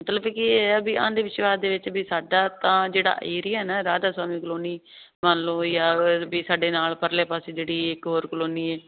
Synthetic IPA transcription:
mət̪ləbkɪəbiːã̰ːnd̪eːʋɪʃʋaːsd̪eːʋɪt͡ʃbiːsaːɖaːt̪ãːd͡ʒeːɽa̰ːʔeːɾɪjaːɦnaɾaːd̪aːswaːmiːkəloːniː | maːnlõːjaːbiːsaːɖeːnaːlpəɾleːpaːseːd͡ʒeːɽiːɪkɦoːɾkloːniːɛː

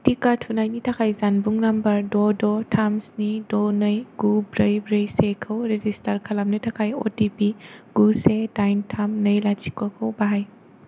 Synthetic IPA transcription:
tikatʰunajnitʰakʰajzanbuŋnambɐɾdɔdɔtʰamsnidɔnəjɡ̥ubɾəjbɾejsekʰəwɾezistaɾkʰalamnɯtʰakʰajo̰tipiɡ̥usedajntʰamnɯjlat͡ʃi̥kwakʰawbaɦaj

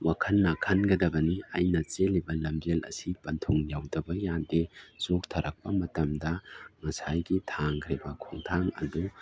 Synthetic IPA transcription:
wakʰɐnːɐkʰɐnɡɐdɐbɐniajnɐt͡ʃelibɐlɐmd͡ʒelɐ̰sipɐntʰoŋjawdɐbɐjandezok̚tʰɐɾɐk̚pɐmɐtɐmdɐŋɐsajɡitʰaŋkʰɾibɐkʰoŋtʰaŋɐ̰du

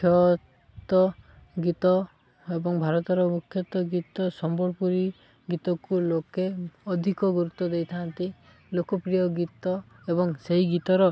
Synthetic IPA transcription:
kʰjɔ | t̪ɔ | ɡit̪ɔ | ebɔŋbʱaɾɔt̪ɔɾɔmukʰjɔt̪ɔɡit̪ɔsɔmbɔɽpuɾi | ɡit̪ɔkulokeɔd̪ʱikɔɡuɾut̪ːɔd̪ejt̪ʰant̪i | lokɔpɾijɔɡit̪ɔ | ebɔŋseɦiɡit̪ɔɾɔ

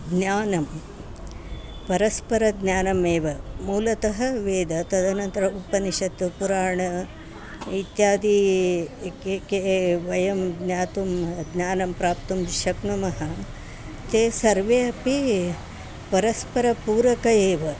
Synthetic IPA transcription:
ɡnjaːnɐm | pɐɾɐspɐɾɐɡnjaːnɐmeːʋɐmuːlɐt̪ɐɦɐʋeːd̪ɐt̪ɐd̪ɐnɐnt̪ɐɾɐupɐniʃɐt̪ːupuɾaːɳɐ | it̪jaːd̪i | kekeʋɐjɐmɡnjaːt̪umɡnʲjaːnɐmpɾaːp̚t̪umʃɐkɳɐmɐɦɐ | t̪eːsɐɾʋeɐpi | pɐɾɐspɐɾɐpuːɾɐkɐeːʋɐ

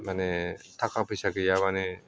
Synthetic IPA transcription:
manetʰakʰapʰɯsaɡɯjaβane

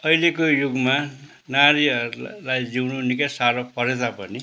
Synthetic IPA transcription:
ʌilekojuɡma | naɾiʌɾulajd͡ziwnunikʌsaɾʌpʌɾed͡zʌpʌni

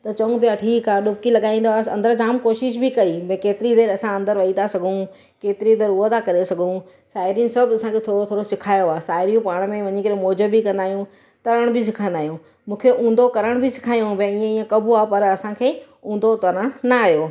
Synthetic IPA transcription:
t̪ɐt͡ɕɐũbijaʈʰiːkaːɗʊpkilɐɠaːĩːnd̪oaɐ̰̃nd̪əɾd͡ʑaːmkoːʃɪʃ̬bʱɪkɐimɛ̃ːkeːt̪ɪɾid̪eːɾɐsãɐ̃nd̪əɾʋɐit̪ʰasɐɡʱũ | keːt̪ɪɾid̪eːɾʊot̪ʰakɐɾesɐɡʱũ | saːɪɾjĩnsɐbɐsãkʰet̪ʰoːɽot̪ʰoːɽosɪkʰaːjoaːsaːɪɾijũpaːɽ̃mẽʋɐɲikɐɾẽmoːd͡ʑəbikɐ̃nd̪aːɦijũ | t̪ɐɾəɽ̃bʱɪs̬ɪkʰãːnd̪aːɦjũ | mũːkʰeʔũːn̆d̪okɐɾəɽ̃bʱɪsɪ̥kʰaːjũbɛ̃iːẽiːə̃kɐbʱuaːpɐɾɐsãkʰeː | ũːnd̪ot̪ɐɾəɽ̃nɐːɦjoː

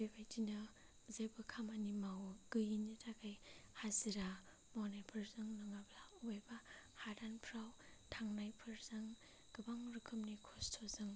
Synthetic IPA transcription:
bebajdinɯ | zabɯkʰamanimawɡ̥ɯjinitʰakʰajhaziɾa | mawnajpʰɯɾzɯŋnɯŋablaubajbahadanpʰɾaw | tʰaŋnajpʰɯɾzɯŋ | ɡ̥ɯbaŋɾɯkʰɯmnikʰostʰozɯŋ

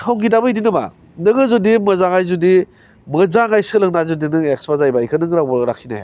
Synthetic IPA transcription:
kʰawŋɡidabɯjdinɯma̰ | nɯɡɯzudimɯzaŋajzudi | mɯzaŋajsɯlɯŋnazudinɯŋeksbazajbaikʰɯnɯŋɾawbɯɾakʰina̰jḛ

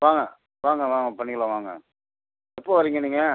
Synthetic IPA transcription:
ʋaːŋɡɐ | ʋaːŋɡɐʋaːŋɡɐpɐɳːɪkɐɭɐ̃ʋaːŋɡɐ̰ | ɛpːoːʋɐɾiːŋɡɐniːŋɡɐ

